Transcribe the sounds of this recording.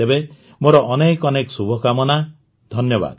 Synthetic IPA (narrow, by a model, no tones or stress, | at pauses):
ebe | moɾɔʔɔnekɔneksubʱɔkamɔna | d̪ʱɔnjɔba̰d̪